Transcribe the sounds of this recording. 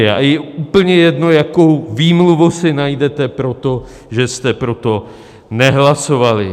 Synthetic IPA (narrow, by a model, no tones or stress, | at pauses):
a̰jɛuːpl̩ɲɛjɛdno̞jakowviːmluvosɪnajdɛt̪ɛpɾo̞t̪o̞ | ʒɛst̪ɛpɾo̞t̪o̞ | nɛɦlaso̞valɪ̰